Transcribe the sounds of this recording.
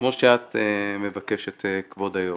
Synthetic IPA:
kmoʃeat̪mevakeʃet̪kvod̪ajo

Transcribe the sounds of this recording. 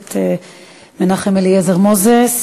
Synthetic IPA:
t̪e | menaχemeliezeʁmozes

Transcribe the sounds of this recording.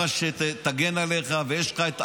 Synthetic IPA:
aʃet̪aɡenaleχavejeʃχaet̪

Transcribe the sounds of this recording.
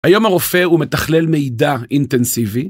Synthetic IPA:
hajo̞maʁo̞fe̞ume̞t̪ɐχle̞lmeid̪aint̪ensivi

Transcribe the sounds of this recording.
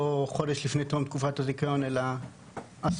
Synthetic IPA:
oχo̞deʃlifnet̪omt̪̚kufatazikajo̞nela | as

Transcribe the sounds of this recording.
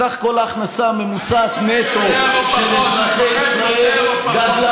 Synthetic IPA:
aχko̞laːχnasamemut͡saːt̪net̪oʃelet͡snaχeisʁaelɡad̪la

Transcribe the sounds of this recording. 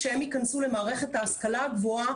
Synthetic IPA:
ʃehe̞mikansule̞maːʁe̞χe̞t̪haːskalaɡvoa

